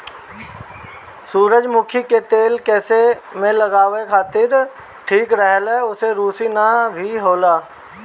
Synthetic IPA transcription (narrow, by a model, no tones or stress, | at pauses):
suːɾəd͡ʒmʊkʰiket̪eːlkɛːsemẽləɡaːʋekʰaːt̪ɪɾ | ʈʰiːkɾəɦəlɛʊseɾuːsinabʱiɦoːlaː